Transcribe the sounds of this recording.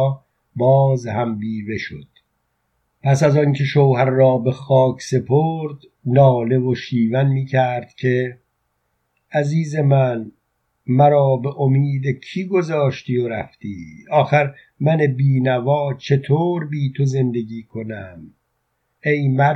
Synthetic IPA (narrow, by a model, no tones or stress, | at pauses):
bɒːzhæmbiːve̞ʃo̰d̪̥ | pʰæsæzɒːncʰe̞ʃowhæɾːɒːbe̞xɒːcʰse̞pʰoːɾd̪ | nɒːle̞voʃiːvænmiːcʰæɾd̪̥cʰe̞ | æziːze̞mæn | mæɾɒːbe̞ʔomiːd̪ecʰiːɡo̞zɒːʃt̪iːoɾæ̰ft̪iːɒːxæɾ | mæne̞biːnævɒːt͡ʃʰe̞t̪ʰoːɾbiːt̪ʰo̞ze̞nd̪e̞ɡiːkʰo̞næm | e̞jmæ